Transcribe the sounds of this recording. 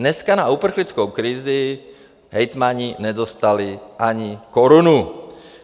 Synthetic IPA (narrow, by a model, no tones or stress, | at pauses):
nɛskanaupr̩xlɪt͡skowkɾɪzɪ | ɦɛjt̪maɲɪnɛzost̪alɪʔaɲɪkoɾunu